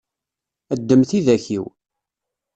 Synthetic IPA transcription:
əd̪ːəmθiðæçiw

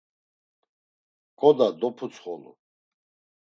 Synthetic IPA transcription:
kʼɔd̪ad̪ɔpʰut͡sʰχɔlṵ

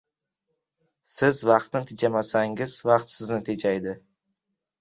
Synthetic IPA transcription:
sɪzvɑqt̪nɪt̪ʰɪd͡ʒamasaŋɪzvɑqt̪sɪznɪt̪ʰed͡ʒajd̪ɪ

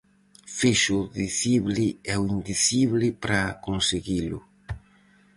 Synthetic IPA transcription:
fiʃuðiθiβlɪɛwind̪iθiβlɪpɾakonseɣilʊ̰

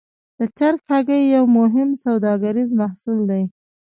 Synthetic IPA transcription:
d̪̥ət͡ʃaɾkxaɡəjːawmʊɦɪmsawd̪ɑɡaɾizmahsuld̪aj

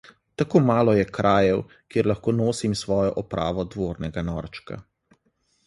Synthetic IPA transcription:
t̪akoːmaːlɔjɛkɾʔaːjɛw | kjeːɾlaxkoːnoːsimsʋɔːjɔʔɔpɾa̰ːʋɔd̪ʋoːɾnɛɡanɔɾt͡ʃka̰

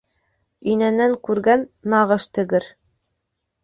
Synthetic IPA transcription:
inænːæŋkʉɾɡænːɑʁɤʃt̪ɘ̆ɡɘɾ

